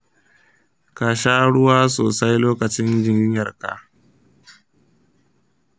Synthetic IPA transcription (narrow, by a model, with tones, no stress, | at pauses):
kaː˨ʃa˦ɽʊ˦waː˦soː˨sa˦jloː˦kɐ˨t͡ʃɪ˦nd͡ʒɪ˦ɲ˦ɲjɐ˨rka̰˨